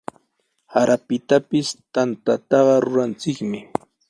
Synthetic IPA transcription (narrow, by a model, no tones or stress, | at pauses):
haɾʔapɪt̪apɪst̪ant̪at̪ɑɢɑɾʊɾant͡sɪkmɪ